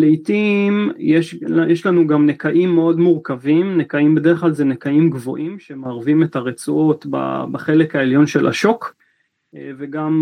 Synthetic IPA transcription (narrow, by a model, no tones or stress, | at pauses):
leitimjeʃjeʃlanuɡamnekaʔimːeo̞dmuʁkavimnekaimbe̞deχlalzenekaimɡvo̞̰ʔimʃemaːʁvime̞taʁet͡suo̞tba̰baχe̞le̞kaeljo̞nʃe̞lʔa̰ʃo̞k | veɡam